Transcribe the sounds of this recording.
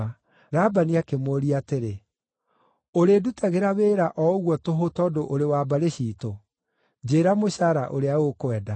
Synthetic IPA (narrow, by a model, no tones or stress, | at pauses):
ɾabaniakemoːɾiateɾe | oɾedutaɣeɾaweːɾaʔɔɣwɔtoɦotɔːdoʔoɾewaːbaɾeɕiːto | d͡ʑeːɾamoɕaɾaʔoɾeaɣokwɛda